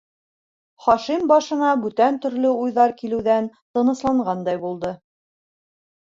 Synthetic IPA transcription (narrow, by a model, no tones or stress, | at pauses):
χɒʃimbɑʃɤ̆nɑbʉt̪ænt̪ɵ̆ɾlɵujðɑɾkilɘ̆wðænt̪ɤ̆nɤ̆slˠɑɴɢɑnd̪ɑjbulˠd̪ɤ